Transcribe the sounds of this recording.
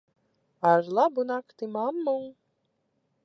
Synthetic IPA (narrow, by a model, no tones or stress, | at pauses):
aɾlˠabunakt̪imamːuŋ